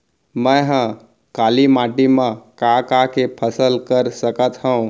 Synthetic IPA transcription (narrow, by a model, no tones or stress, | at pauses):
mə̃jɦə̃ | kalimaʈimãkakakepʰəsəlkəɾsəkət̪ɦəũ